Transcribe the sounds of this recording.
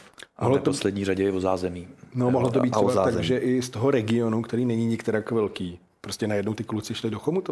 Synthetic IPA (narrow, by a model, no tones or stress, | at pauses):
oɦlot̪ooslɛdɲiːɾaɟɛjɛvozaːzɛmiːnomoɦlot̪obit̪t͡ʃɛbaaːt̪aɡʒɛʔɪst̪o̞ɦoɾɛɡɪo̞nukt̪ɛɾiːnɛɲiɲɪkt̪ɛɾakːvɛlkiː | pɾoscɛnajɛdno̞wt̪ɪklut͡sɪʃlɪdoxomut̪o